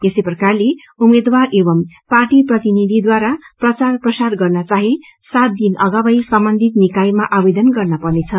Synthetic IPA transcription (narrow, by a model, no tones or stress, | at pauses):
esejprʌkarle | umed̪warʔebʌmparʈiprʌt̪inid̪ʱid̪waɾaprʌt͡sarprʌsarɡʌrnʌt͡saɦi | sat̪̚d̪inʔʌɡabʌjsʌmbʌnd̪ʱit̪nikajmaʔabed̪ʌnɡʌrnʌpʌnet͡sʰʌ